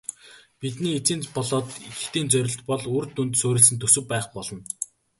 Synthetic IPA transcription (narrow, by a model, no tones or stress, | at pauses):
pit̪niːt͡siːnpɔɮɔːt̪ixt̪iːnt͡sœɾʲɪ̆ɬt̪pɔɮuːrt̪unt̪soːɾʲɪ̆ɮsɘ̆nt̪ʰːɵsɵ̆kpæːχpɔɮɞ̆n